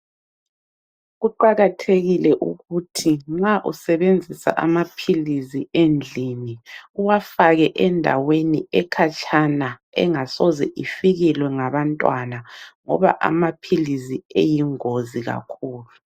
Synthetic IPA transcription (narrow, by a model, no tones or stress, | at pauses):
ɣuǃaɣatʰeɣilɛʔṵɣutʰiŋ͡ǁaʔusɛβend͡zʱisa̰ʔa̰mapʰiliziend͡ɮʱiniuwafaɣɛʔɛndʱa̰weniɛkʰat͡ʃʰanaɛ̰ŋasɔzɛʔifiɣilwɛŋaβantʼwanaŋɔ̰βa̰ʔa̰mapʰiliziejiŋoziɣa̰kʰuːlu